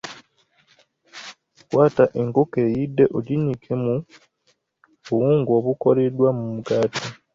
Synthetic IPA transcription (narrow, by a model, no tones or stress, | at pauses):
kwaːtaʔeŋkokejide̞ʔoɟinikʰemu | βuwuːŋɡo̞ːβuko̞ɾedwamumuɡaːtʰa